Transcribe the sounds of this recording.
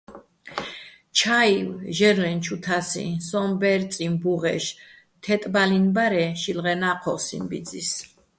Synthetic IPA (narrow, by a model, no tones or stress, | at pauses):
t͡ʃʰaiwʒɛɾlɛnt͡ʃʰut̪ʰasḭsɔmbɛɾt̪sʼimbuʁɛ̰ʃ | t̪ʰɛt̪ʼbalinbaɾɛʃilʁɛnaqʰɔsḭnbid̪zis